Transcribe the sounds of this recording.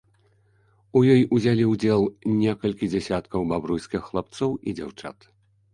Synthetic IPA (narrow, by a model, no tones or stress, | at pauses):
ujɔjuzʲalʲiwd͡zʲɛlˠnʲɛkɐlʲkʲid͡zʲasʲat̪kɐwbabɾujsʲkʲixːlˠap̚t̪sɔwid͡zʲa̰wt͡ʂa̰t̪